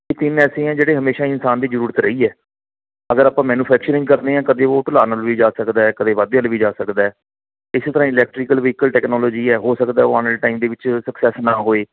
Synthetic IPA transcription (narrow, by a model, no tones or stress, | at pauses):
ket̪ɪnɛːsẽːɛ̃ːd͡ʒeːɽeːɦəmeːʃaːɪnsaːnd̪iːd͡ʒəɾuːɾət̪ɾəiːɛː | əɡəɾaːpãːmɛːnũːpʰɛːk̚t͡ʃəɾɪ̃ŋɡkəɾd̪eːãːkəd̪eːoːʈʊlaːnəlʋiːd͡ʒaːsəkd̪aːɛkəd̪eːʋaːd̪əlʋiːd͡ʒaːsəkd̪aːɛː | ɪseːt̪əɾãːɪlɛːk̚ʈɾiːkəlʋiːkəlʈɛːknɔːlɔːd͡ʒiːɛːɦoːsəkd̪aːoaːnəʈaːimd̪eːʋɪt͡ʃsəksɛːsnaːɦoːeː